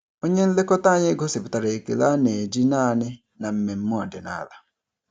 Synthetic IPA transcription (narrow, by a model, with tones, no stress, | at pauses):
o˦ɲe˦n̩˦le˦kɔ˦ta˦˨ɲɪ˦ɡɔ˦si˨pi˨ta˨ɾe˨e˨kḭ˨la˦ne˨d͡ʒi˦na˦˨nɪ˦ | na˨m̩˨me˨m̩˦mʊ˦ɔ˨de˨na̰˨˦˨la˨